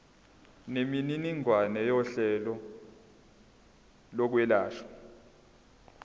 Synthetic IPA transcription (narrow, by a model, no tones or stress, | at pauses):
nemininiŋwanɛjɔɬɛlɔ | lɔk̬wɛlaːʃḁ